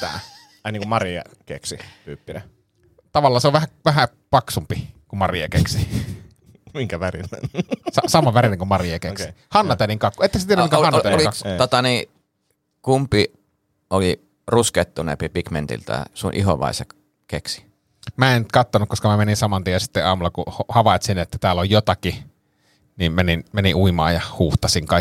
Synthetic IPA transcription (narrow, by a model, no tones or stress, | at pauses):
t̪æ̰ | ɑnːiŋkummɑriɑ̰kḛksipyːpːinæ̰ | t̪ɑʋɑlːɑːseoʋæhæʋæɦæ | pɑksumpikumɑriɑ̰kḛksi | miŋkæʋærḭnnsɑsɑmɑʋæɾineŋkumɑriɑkeksihɑnːɑt̪æniŋkɑkːuet̪ːækst̪ienæmmikæonolit̪ot̪ɑni | kumpi | oli | rusket̪ːunḛmpipikmḛnt̪ḭlt̪æ̰sunʔḭho̰ʋɑ̰isḛk | keksi̥ | mæent̪kɑt̪ːonukkoskɑmæmeninsɑmɑnt̪iensi̥t̪ːeʔɑːmulːˑɑkuhohɑʋɑˑet̪sinet̪ːæt̪æːlːojjot̪ɑki | nimmeninmeniʔʔuimɑ̰ːjjɑhuːht̪ɑsiŋkɑi